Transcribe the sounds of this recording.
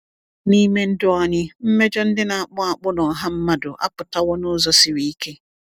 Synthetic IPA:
ni˦me˦n̩˦dʊ˦ɔ˨ɲɪ˦m̩˦me˦d͡ʒɔ˦n̩˦dɪ˦na˨a˨k͡pʊ˦a˨k͡pʊ˦nɔ˨ɦa˦m̩˦ma˦dʊ˨ʔa̰˦pʊ˨ta˦wɔ˦nʊ˦zɔ˦sɪ˨ɾi˨i˦ke˦

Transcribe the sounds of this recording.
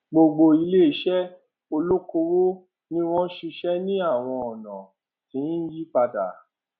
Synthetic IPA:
ɡ͡bo˧ɡ͡bo˧i˧˦le˦˨ʃɛ˦ | o˧lo˦ko˧ɾo˦ | nĩ˦w̃ɔ̃˦ʃi˧ʃɛ˦nĩ˦a˦˨w̃ɔ̃˧ɔ˨nã̰˨ | tĩ˨˦n̩˦ji˦k͡pa˧da̰˨

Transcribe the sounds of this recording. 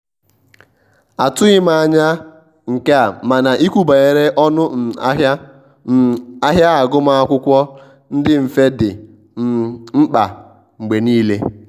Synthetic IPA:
a˨tʊ˦ɣɪ˦ma˨a˨ɲa˦ | ŋ̩˨ke˦a˨ma˨na˨ʔi˦kʷu˦ba˨e˨ɾe˦ʔɔ˦nʊ˦n̩˨a˦ɦa˦˨ | a˦ɦja˦a˨ɡʊ˦ma˦a˦kʷʊ˦kʷɔ˦ | n̩˦dɪ˦m̩˨fe˦dɪ˨ | ŋ͡m̩˦k͡pa˨ | ŋ͡m̩˨ɡ͡be˨niː˦le˦

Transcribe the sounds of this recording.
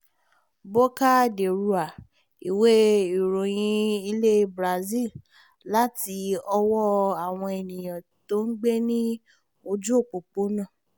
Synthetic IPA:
bo˦ka˦˨de˨ɾu˨˦a˨ | i˨we˦i˨ɾõ˨j̃ĩ˧i˧le˦bɾa˨zi˦˨ | la˦ti˧ɔ˧wɔ˦a˨w̃ɔ̃˧ɛ˨nĩ˨j̃ã˨ | to˦ŋ̩˦ɡ͡be˦nĩ˦ | o˧d͡ʒu˦o˦˨k͡po˨k͡po˨˦nã˦˨

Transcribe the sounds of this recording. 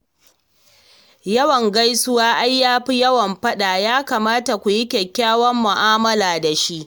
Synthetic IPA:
jɐ˦wɐ˨ŋɡa˦jsʊ˦waː˦ʔa˦jːaː˦ɸi˦jɐ˦wɐ˨mɸɐ˦ɗa˨jaː˦kaː˨maː˦ta˨kʷu˨ji˦kʲɛ˨kʲːaː˦wɐ˦mːʊ˨ʔaː˦mɐ˦laː˨da˨ʃi˦ʔ

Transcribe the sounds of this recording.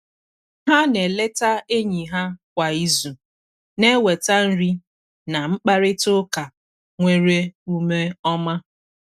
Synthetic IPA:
ɦa˦ne˨le˦ta˦e˦ɲi˨ɦa˦kʷa˨i˦zu˨ | ne˦we˨ta˦n̩˦ɾi˦ | na˨ŋ͡m̩˦k͡pa˦ɾɪ˦tʊ˦ka˨ | ŋʷe˦ɾe˦u˦me˦ɔ˦ma˦

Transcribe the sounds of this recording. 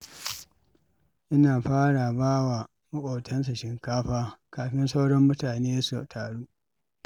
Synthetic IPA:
ʔɪ˦naː˨ɸaː˦ɽa˨baː˦wa˨ | mʊ˦ʔʷʼoː˨tʰɐ˦ns̬a˨ʃɪ˨ŋkaː˦ɸaː˦kaː˨ɸɪ˦nsa˦wɽɔ˦mːʊ˦taː˨neː˦su˨tʰaː˨ɽuː˦

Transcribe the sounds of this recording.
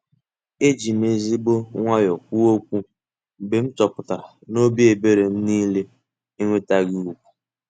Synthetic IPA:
e˦d͡ʒi˨m˦e˨zi˦ɡ͡bo˦ŋʷa˦jɔ˨kʷu˦o˦kʷu˦ | be˨m̩˦t͡ʃɔ˨pʊ˨ta˨ɾa˨no˦bi˦e˨be˦ɾe˨n̩˦niː˦le˦ | i˦ŋʷe˦ta˦ɡɪ˦u˦kʷu̥˨

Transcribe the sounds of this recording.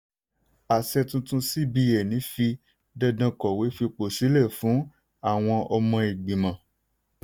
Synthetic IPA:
a˨sɛ˧tũ˧tũ˧si˦bi˧jɛ˨nĩ˨˦fi˧ | dɛ˧dã˧kɔ˨we˨˦fi˧k͡po˨si˨˦lɛ˦˨fũ˨˦ | a˦˨w̃ɔ̃˧ɔ˧mɔ̃˧i˨ɡ͡bĩ˨mã˨

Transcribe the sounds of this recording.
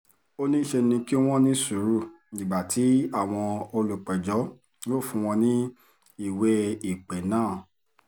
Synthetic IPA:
o˦nĩ˦ʃe˧nĩ˧ki˦w̃ɔ̃˦nĩ˦su˨˦ɾu˦˨ | ĩ˨ɡ͡ba˨tʰi˨˦a˦˨w̃ɔ̃˧o˧lu˨k͡pɛ˨d͡ʒɔ˨˦ | o˦˨fũ˧w̃ɔ̃˧nĩ˦ | i˦˨wɛ˧i˨k͡pɛ˨nãː˦˨

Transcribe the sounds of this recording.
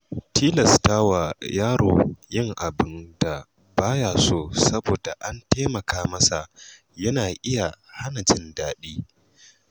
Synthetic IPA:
tʰiː˦lɐ˨sta˦wa˨jaː˦ɽoː˨jɪ˦ŋʔa˨bɪ˦nd̥a˨ | baː˦jaː˨soː˦sɐ˦boː˨da˨ʔa˦nteː˦mɐ˨kaː˦mɐ˦sa˨ | jɐ˦naː˨ʔɪ˦ja˨ha˦nɐ˨d͡ʒɪ˦ndaː˦ɗiː˦

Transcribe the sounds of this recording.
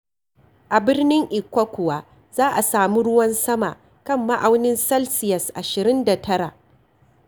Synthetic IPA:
ʔa˨bɪ˦rnɪ˦ŋʔɪ˨kʷɐ˦kʷʊ˨waː˦ | zaː˦ʔa˨saː˨mu˦ɽʊ˦wɐ˦nsɐ˦ma̰˨ʔ | kɐ˦˨mːa˦ʔa˨wnɪ˦nsɐ˦lsɪ˨jɐ˨sʔa˨ʃɪ˨ɾɪ˦nda˨tʰɐ˦ɽa˨ʔ

